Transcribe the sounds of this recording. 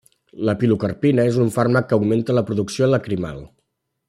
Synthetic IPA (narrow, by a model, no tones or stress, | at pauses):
ləpilukərpinəezuɱfarməkkːəuɡment̪ələpɾuðuksioləkɾima̰lˠ